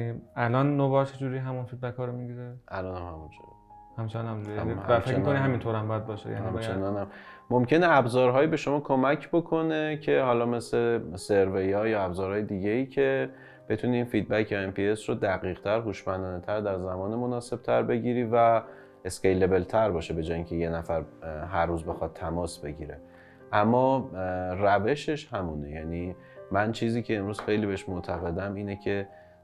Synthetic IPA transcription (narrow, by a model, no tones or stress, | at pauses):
ælɒːnːobɒt͡ʃʰed͡ʒuːɾiɦæmunfid̪̚bækʰhɒːɾomiɡizeʔælɒːnæmhæmunt͡ʃʰoɾ | hæmt͡ʃʰenɔnæmṵimhææfemiikonihæmint̪ʰoːɾæmbɒæd̪̚bɒːʃḛjæ̰hniæmt͡ʃʰenɒːnæmmːomcʰe̞neæbzɒːɾɦɒːjibe̞ʃo̞mɒːkʰo̞mæcʰbo̞kʰo̞ne̞cʰe̞hɒːlɒːme̞slese̞ɾvejɒːjɒːæbzɒːɾhɒːjed̪iːɟeiːcʰe̞ | b̥e̞t̪ʰuːniːnfiːd̪̚bæcʰɒe̞mpʰie̞srod̪æɣiːʁt̪ʰæɾɦuːʃmænd̪ɒːnet̪ʰæɾd̪æɾzæmɒːnemo̞nɒːse̞b̥̚t̪ʰæɾbe̞ɟiːɾiːvæ | e̞scejle̞be̞lt̪ʰæɾbɒːʃebe̞d͡ʒɒːjiŋcʲʰe̞je̞næfæɾɦæɾːuːzbe̞xɒd̪̚t̪ʰːæmɒːsbe̞ɟiːɾe | ʔæmːɒːræve̞ʃe̞ʃhæmuːnejæ̰ːni | mænt͡ʃʰiːziːcʰe̞ːmɾuːz̥xe̞jlibe̞eʃmoʔt̪ʰæɣe̞d̪æmiːnecʰe̞